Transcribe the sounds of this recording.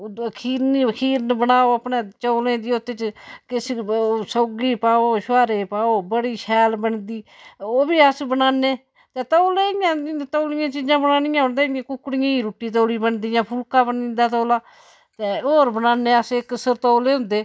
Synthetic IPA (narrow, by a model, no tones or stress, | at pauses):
kʰiːɾnkʰiːɾnbənaːoːəpneːt͡ʃoːlẽːd̪iot̪ːeːt͡ʃkɪssəɡiːpaːoːʃʋaːɾeːpaːoːbəɽiːʃʰɛːlbəɳd̪iː | oːbiːəsbənaːneː | t̪eːt̪oːleːɪjãːnd̪it̪oːlɪjãːt͡ʃiːd͡ʒãːbənaːnɪjãːɦʊ̃nd̪eːãːkʊkːɽɪjãːiːɾuːʈːiːt̪̬oːliːbənd̪ijãːpʰʊlkãːbənĩːnd̪aːt̪oːlaː | t̪eːoːɾbənaːneːəsɪksəɾt̪oːleːɦʊ̃nd̪eː